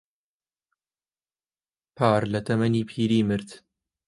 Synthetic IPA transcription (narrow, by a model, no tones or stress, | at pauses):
pʰaːɾlɐt̪ʰɐmɐniːpʰiːɾiːmɨɾt̪